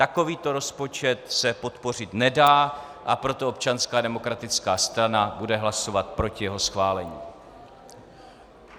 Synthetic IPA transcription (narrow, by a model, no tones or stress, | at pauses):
t̪ako̞viːt̪o̞ɾo̞spo̞t͡ʃɛt̪sɛpo̞t̪po̞r̝ɪt̪nɛdaː | ʔapɾo̞t̪oop̚t͡ʃanskaːdɛmo̞kɾat̪ɪt͡skaːst̪ɾanabudɛɦlaso̞vat̪̚pɾo̞cɪjɛɦo̞sxvaːlɛɲiː